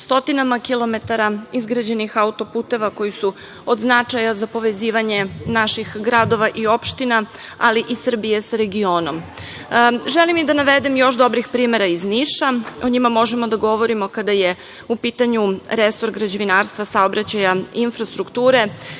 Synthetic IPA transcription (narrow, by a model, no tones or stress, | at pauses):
st̪o̞t̪inamakilˠo̞me̞t̪aɾaizɡɾad͡ʑe̞nixaut̪o̞puːt̪e̞ʋako̞jisu | od̪znat͡ʂajazapo̞ʋe̞ziːʋaɲe̞naʃixɡɾad̪o̞ʋaʔio̞pʃt̪ina | aliʔisr̩bije̞saɾe̞ɡio̞ːno̞m | ʒelimid̪anaʋe̞d̪emjo̞ʃd̪o̞bɾixpɾiːme̞ɾaizniʃaoɲimamo̞ʒemo̞d̪aɡo̞ʋo̞ɾimo̞kad̪aje | upiːt̪aɲuɾeso̞ɾɡɾad͡ʑeʋinaːɾst̪ʋasaobɾat͡ɕajainfɾast̪ɾukt̪uːɾe̞